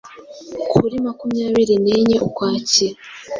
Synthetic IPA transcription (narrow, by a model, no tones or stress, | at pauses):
kʰuɾimakumjaːβiɾineɲeʔokwaːce